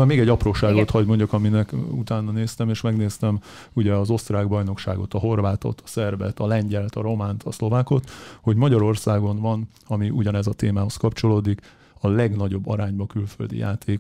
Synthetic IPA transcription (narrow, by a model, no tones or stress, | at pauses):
ameːɡɛɟːɒproːʃaːɡot̪ʰhɒɟmo̞ɲɟokɒminɛkut̪aːnːɒneːst̪ɛmeːʃmɛɡneːst̪ɛm | uɟɛɒzo̞st̪raːɡbɒjno̞kʃa̰ːɡo̞t̪ɒɦo̞rvaːt̪o̞̰t̪ʰɒ̥sɛrbɛ̰t̪ɒlɛɲɟɛlt̪ɒɾo̞maːnt̪ʰɒslo̞vaːko̞t̪ho̞ɟmɒɟɒɾo̞rsaːɡo̞nvɒn | ɒmiʔuɟɒnɛzɒt̪eːmaːɦo̞skɒpt͡ʃo̞loːd̪ik | ɒlɛɡnɒɟo̞bːɒɾaːɲbɒkylfø̰ld̪ḭja̰ːt̪ʰeːk